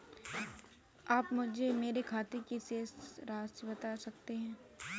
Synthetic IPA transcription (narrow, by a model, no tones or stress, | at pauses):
aːpmʊd͡ʒʱemeːɾekʰaːt̪ekiseːsɾaːsibɐt̪asɐk̚t̪eɦɛ̃ː